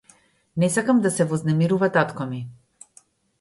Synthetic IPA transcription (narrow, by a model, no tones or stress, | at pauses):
nɛsakamd̪asɛvɔznɛmiɾuvat̪at̪kɔmi